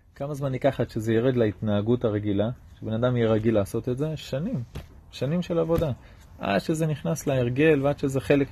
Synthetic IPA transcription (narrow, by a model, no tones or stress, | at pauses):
kamazmanikaχaʃezejiʁed̪laitnaːɡutaʁe̞ɡilaʃebe̞nadamjeʁaɡilaːso̞t̪etze̞ʃanim | ʃanimʃe̞lavo̞da | ʔa̰dʃeze̞niχnasleeʁɡe̞lveadʃezeχe̞lek